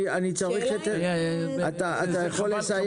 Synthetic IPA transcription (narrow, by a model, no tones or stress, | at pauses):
anit͡saʁiχot̪eat̪aaajaχolːesaj